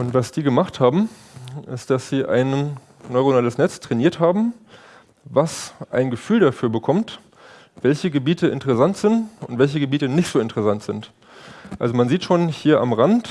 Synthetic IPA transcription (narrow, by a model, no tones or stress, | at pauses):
ʔʊntv̥asd̥iːɡəmaχthaːbm̩ | ʔɪstd̥asz̥iːʔa̰ɪn | nɔʏʁonaːləsnɛt͡stʁ̥ɛniːɐthaːbm̩ | vasʔaɪnɡəfyːldafyːɐbəkʰɔmt | v̥ɛlçəɡəbiːtəɪ̰ntəʁɛsantz̥ɪntʊntv̥ɛlç̬əɡəbiːtənɪçtz̥oːɪntəʁɛsantz̥ɪnt | ʔalzomanziːtʃoːnhiːɐʔa̰mʁant